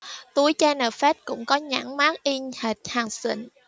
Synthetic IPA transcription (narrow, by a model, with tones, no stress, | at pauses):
t̪u˨˦jt͡ɕaː˧nəː˨˩fɛ˦˥t̚kʊ̰˧˥ŋ͡mkɔ˨˦ɲa̰˧˥ŋmaː˦˥k̚ʔi˧nhɛː˨˩t̚haː˨˩ŋsḭ˧˩ŋ